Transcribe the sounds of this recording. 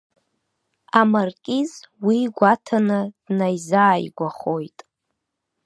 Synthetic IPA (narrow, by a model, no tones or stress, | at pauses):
amarkʲʼizwiɡʷatʰanɨd̥najzaːjɡʷaχojtʼ